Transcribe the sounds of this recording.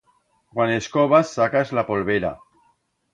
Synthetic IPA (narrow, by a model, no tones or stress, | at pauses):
kwaneskoβasːakazlapolβeɾa̰